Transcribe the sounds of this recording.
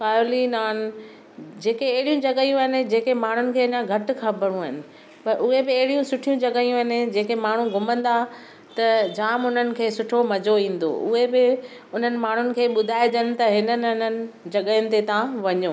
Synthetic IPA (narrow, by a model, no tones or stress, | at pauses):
kaːjoːlinaːn | d͡ʑeːkeɐɦɪɽijũd͡ʑɐɠəjũɐɦɪnɪ̆d͡ʑeːkemaːɳ̤ʊnɪ̆kʰeːɪnãɡʱɐʈ̆kʰãbʱəɽ̤ũəɪnɪ̆ | pɐɾʔʊɦebɪɐɦɪɽijũsʊʈʰijũd͡ʑɐɠəjũɦɪnɪ̆d͡ʑeːkemaːɳ̤ũɡʱʊmə̃nd̪a | t̪ɐd͡ʑaːmʊn̤ənɪ̆kʰeːsʊʈʰomɐd͡ʑoĩːn̆d̪o̰ʔʊ̰ɦebɪ | ʊn̤ənɪ̆maːɳ̤ʊnɪ̆kʰeːɓʊd̪ʱaːɪd͡ʑənɪ̆t̪ɐɦɪnənʊnənɪ̆d͡ʑɐɠəjənɪ̆t̪et̪ɐãʋɐɲoː